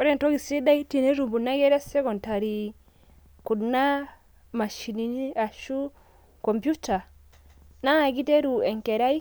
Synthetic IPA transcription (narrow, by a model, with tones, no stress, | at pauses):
ɔ˦ɾɛ˨n˨tɔ˦ɡi˨sɛ˦d̪a˦i˦ti˨nɛ˦ɾu˨mbu˨na˦ɡɛ˦ɾɛ˦sɛ˦kɔ˨nta˨ɾi˨ | ku˨dna˦ | ma˨ʃi˨ni˨ni˦a˨ʃu˦ | kɔ˨mpju˦ta˨ | na˦˨ɡi˦tɛ˦ɾu˨ɛ˨ŋkɛ˨ɾa˦i˦